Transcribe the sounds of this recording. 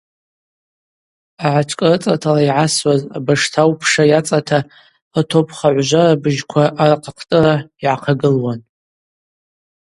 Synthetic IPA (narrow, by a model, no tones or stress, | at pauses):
aʕaʈ͡ʂʰʼkʼrɨt͡sʼatʰalaiʕaswaza̰baʂtʰawpʰʂajat͡sʼatʰa | atʰopʰχaʕʷʒʷarabɨʒkʷʰaʔarqʰaqʰtʼɨraiʕaqʰaɡɨlwan